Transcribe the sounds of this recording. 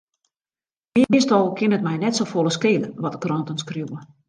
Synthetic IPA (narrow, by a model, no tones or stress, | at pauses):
ɪəmɪstɔlˠkɪnətmɛjnɛtsofoləskeːləʋɔtəkrɔntənskruwə